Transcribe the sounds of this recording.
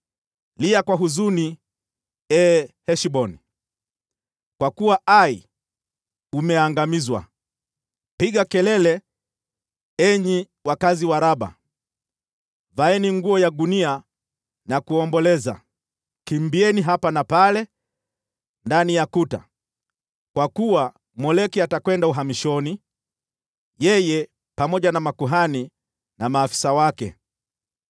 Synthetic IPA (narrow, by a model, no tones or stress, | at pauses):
liakwaɦuzuni | ɛhɛʃiɓɔni | kwakuwaʔai | umɛaŋɡamizwa̰ | piɡakɛlɛlɛ | ɛɲi | wakaziwaɾaɓa̰ | vaɛniŋɡuɔjaɡunia | nakuɔmbɔlɛza̰ | kimbiɛniɦapanapalɛ | ndanijakuta̰ | kwakuwa | mɔlɛkiatakwɛndauɦamiʃɔni | jɛjɛ | pamɔʄanamakuɦani | namaːfi̥sawakɛ̰